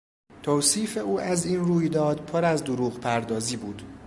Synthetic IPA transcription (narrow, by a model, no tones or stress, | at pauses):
t̪ʰoːwsiːfe̞uːʔæziːnruːjd̪ɒːd̪pʰoɾæzd̪oɾuːɣpʰæɾd̪ɒːziːbuːd̪̥